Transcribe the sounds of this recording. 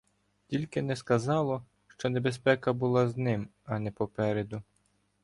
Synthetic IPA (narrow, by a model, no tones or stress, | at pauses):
tʲilʲkɪnɛskɐzɑlˠɔ | ʃt͡ʃɔne̞bespɛkɐbʊlˠɑznɪmɐnɛpɔpɛɾed̪ʊ